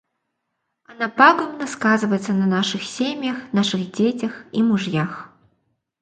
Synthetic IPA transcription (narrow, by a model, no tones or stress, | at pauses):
ɐnapaɡɔmnɐskazɨvɐjɛt̪sɐnɐnaʂɨxsʲemʲjɐxnaʂɨɣd͡zʲet͡sʲɐximuʐjax